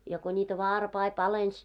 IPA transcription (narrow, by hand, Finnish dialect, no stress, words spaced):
jɑ ko nʲiːtæ ʋɑːrpɑi pɑlens